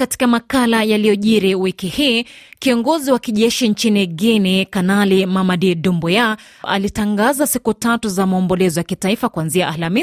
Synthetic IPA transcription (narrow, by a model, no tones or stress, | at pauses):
kati̥kamakalajalijɔʄiɾiwikihiːkiɔŋɡɔziwakiʄɛʃint͡ʃiniɡinikanalimamadidumbɔja | a̰litaŋɡazasikutatuzamaɔmbɔlɛzɔjakitaifakuanziaʔːlami